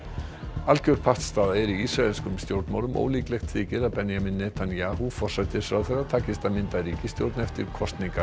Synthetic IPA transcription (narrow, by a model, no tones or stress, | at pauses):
alcœɥɾ̥pʰaht̪st̪aːðaɛɾiisɾaɛlskʏmst̪jowɾt̪nmawɾʏmʔo̰wliːklɛjxt̪ʰvɪːcɪðapɛnjaminːɛːt̪ʰanjaːɦufɔr̥sajt̪ɪ̥sfɾawθɛrːat̪ʰaːcɪst̪amɪnt̪aɾiːcɪst̪jowɾt̪naɛft̪ɪɾ̥kʰɔst̪niŋka